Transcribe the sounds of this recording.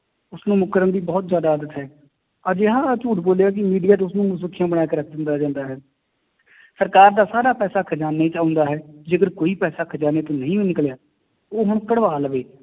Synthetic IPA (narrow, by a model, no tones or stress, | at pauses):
ʊsnũːmʊkəɾəmd̪iːbɔːt̪zjaːd̪aːəd̪ət̪ɦɛː | əd͡ʒeɦãːt͡ʃuːʈboːljaːk̬ɪmiːɖijaːt̪ʊsnũːmʊsʊkʰːijãːbəɽaːjaːkɪɾək̚ʰd̪ɪnd̪aːd͡ʒãːnd̪aːɦɛː | səɾkaːɾd̪aːsaːɾaːpɛːsaːkʰd͡ʒaːnːet͡ʃaːʊ̃nd̪aːɦɛːd͡ʒeːkəɾkoːiːpɛːsaːkʰd͡ʒaːneːt̪oːnəɦĩːenɪkljaː | oːɦʊɳ̃kəɽʋaːlʋeː